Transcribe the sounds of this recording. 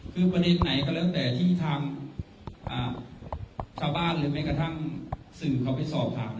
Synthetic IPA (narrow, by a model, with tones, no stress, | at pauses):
kʰɯː˧pɾa˧de˧nːa˩˦jka˧˩lːt̪ɛː˨˩t̪ʰiː˥˩t̪ʰaː˧ŋ | ʔaː˨˩ | t͡ɕʰaː˧wbaː˥˩nlɯː˩˦ma˥˩jkɾa˧t̪ʰa˥˩ŋ | sɯː˨˩kʰa˨˩˦wpa˧˩jsɔː˨˩p̚t̪ʰaː˨˧ŋna˧